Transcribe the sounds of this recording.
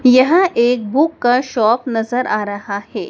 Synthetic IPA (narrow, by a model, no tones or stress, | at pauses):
jɐɦãʔeːk̚buːkːaʃɔːpnɐzəɾʔaːɾɐɦahɛː